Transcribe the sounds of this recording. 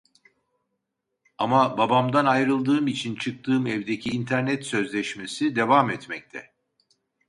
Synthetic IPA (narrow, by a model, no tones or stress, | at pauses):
amababamd̪anajɾɯlˠd̪ɯːmit͡ʃʰint͡ʃʰɯk̚t̪ʰɯːmɛvd̪ecʰiːnt̪ʰæɾnɛt̪sø̞zlʲɛʃme̞sid̪e̞vamɛt̪mɛc̚t̪ʰɛ